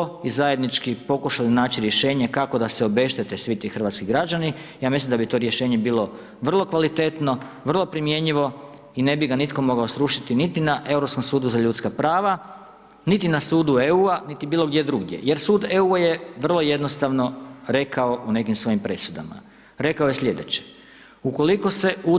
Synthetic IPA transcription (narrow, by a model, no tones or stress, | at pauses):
oizaje̞d̪nit͡ʃkipo̞kuʃalinaːt͡ɕiɾje̞ʃe̞ːɲe̞kako̞d̪aseo̞be̞ʃt̪et̪esʋit̪ixr̩ʋat̪skiɡɾad͡ʑanijaːmislimd̪abit̪o̞ɾje̞ʃe̞ːɲe̞biːlˠo̞ | ʋr̩lˠo̞kʋalit̪et̪no̞ʋr̩lˠo̞pɾimje̞ɲiʋo̞ | ine̞biɡanit̪ko̞mo̞ɡao̞sɾuʃit̪init̪inaʔe̞uɾo̞psko̞msuːd̪uzaʎut̪skapɾaːʋa | nit̪inasuːd̪ueuːanit̪ibiːlo̞ɡd̪je̞d̪ɾuɡd̪ʲje̞̰jeɾsuːd̪euajeʋr̩lˠo̞je̞d̪nost̪aʋno̞ɾe̞kao̞ʔune̞kimsʋo̞jimpɾe̞sud̪a̰ma̰ | ɾe̞kaoje̞slʎe̞d̪e̞t͡ɕe̥ | uko̞liko̞se̞u